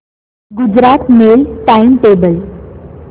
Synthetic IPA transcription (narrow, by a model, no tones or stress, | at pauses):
ɡud͡ʑɾat̪melʈaimʈebəl